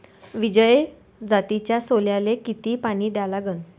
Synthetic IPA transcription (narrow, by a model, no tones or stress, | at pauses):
ʋid͡ʑəj | d͡zat̪it͡ɕjasoljalekit̪iːpaɽ̃iːd̪jalaɡən